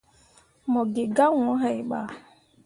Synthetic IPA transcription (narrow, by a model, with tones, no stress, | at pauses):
mɔ˨ɡɪ˨ɡa˦ŋʷɔ˨˦ɦɛ˦ɪ˨ɓa̰˦